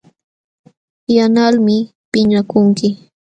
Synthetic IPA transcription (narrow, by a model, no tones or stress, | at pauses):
janalmɪ | pɪɲakʊŋkɪ